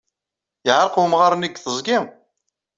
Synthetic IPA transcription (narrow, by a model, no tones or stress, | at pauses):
jəʕɾˤqhmʁaɾˤniɡθəzˤɡim